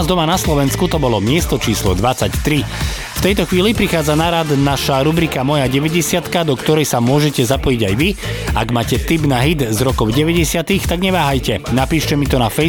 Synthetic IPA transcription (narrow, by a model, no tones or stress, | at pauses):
zd̪ɔmanaslɔʋɛnskut̪ɔbɔlɔmɪɛst̪ɔt͡ʃiːslɔ̰d̪ʋat͡sact̪ɾi | ft̪ɛjt̪ɔxʋiːlipɾixaːd͡zanaɾad̪naʃaɾubɾikamɔjaɟɛʋɛɟɛsɪat̪kad̪ɔkt̪ɔɾɛjsamʊɔʒɛcɛzapɔjiɟajʋiaɡmaːcɛt̪ibnaɦid̪zɾɔkɔʊɟɛʋɛɟɛsɪat̪ixt̪aɡɲɛʋaːɦajcɛnapiːʃcɛmit̪ɔnafɛ